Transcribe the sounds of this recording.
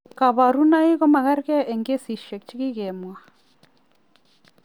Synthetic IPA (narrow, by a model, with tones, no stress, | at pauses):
ka˨βa˨ɾu˦na˦i˦ɣɔ˦ma˨ɣa˦ɾkɛ˦ɛ˨ŋɡe˦si˨ʃɛ˨k̚t͡ʃi˦ki˦ɣɛ˨mwa˨